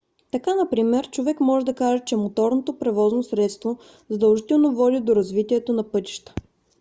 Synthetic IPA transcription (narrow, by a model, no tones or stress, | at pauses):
t̪ɐkanɐpɾimɛɾt͡ʃovɛkmɔʒɛd̪ɐkaʒɛt͡ʃɛmot̪ɔɾnot̪opɾɛvɔznosɾɛt̪st̪vo | zɐd̪ɐlˠʒit̪ɛlˠnovɔd̪id̪oɾɐzvit̪iɛt̪onɐpɤt̪i̥ʃt̪ə̥